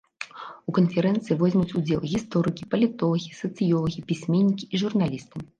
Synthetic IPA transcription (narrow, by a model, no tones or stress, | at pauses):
ukɐnfʲɛɾɛnt̪sɨivɔzʲmʲut͡sʲud͡zʲɛlˠɣʲist̪ɔɾɨkʲipɐlʲit̪ɔlˠɐɣʲisɐt̪sɨjɔlˠɐɣʲipʲisʲmʲenʲːikʲiiʐurnalʲist̪ɨ